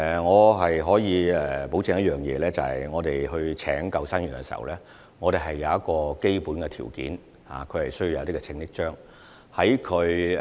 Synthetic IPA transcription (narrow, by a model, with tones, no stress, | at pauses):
ŋɔː˨˧ɦɐ˨jɦɔː˨˥jiː˨˧ɛ˨˩po˨˥wt͡sɪ˨˧˥ŋjɐ˥t̚jœː˨ŋjɛː˨˧lɛː˥t͡sɐ˨hɐ̰˨jŋɔː˨˧t̪e˨jɦɵ˧ɥt͡sʰɛ̰ː˨˥ŋkɐ˧wsa˥nyː˨˩nkɛ˧siː˨˩hɐ̰˨wlɛː˥ | ŋɔː˨˧ɾe˨˩ɦɐ˨jːɐ˨˧wjɐ˥t̚kɔː˧ke˥jpuː˨˥nkɛ˧t̪ʰḭː˨˩wkḭː˨˥n | ha̰ː˨kʰɵ˨˧ɥhɐ˨˩jsɵ˥ji˧wjɐ˨˧t̪i˥kɛ˧t͡sʰɪ˧ŋɪ˥k̚t͡ʃœː˥ŋ | hɐ˨˥jkʰɵ˨˧ɥ